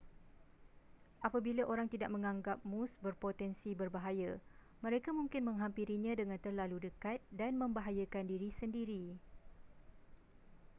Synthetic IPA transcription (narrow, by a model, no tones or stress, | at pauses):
ʔapabilaʔoɾaŋt̪idak̚mə̃ŋãŋɡap̚mũsbərpot̪ɛnsibərbaɦaja | mə̃ɾekamũŋkɪnmə̃ŋɦampiɾiɲãdəŋãnt̪ərlaludəkat̪̚danmə̃mbaɦajakandiɾisəndiɾi